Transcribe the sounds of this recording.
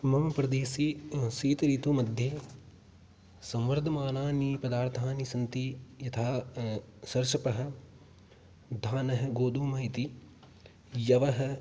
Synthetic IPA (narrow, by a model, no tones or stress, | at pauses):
mɐmɐpɾɐd̪eːsisiːt̪ɐɾiːt̪umɐd̪ʱjeː | sɐ̃mʋɐɾd̪ʱɐmaːnaːnipɐd̪aːɾt̪ʰaːnisɐnt̪ijɐt̪ʰaː | sɐɾʃɐpɐɦɐ̆ | d̪ʱaːnɐɦɐ̆ɡoːd̪ʱuːmɐit̪i | jɐʋɐɦɐ̆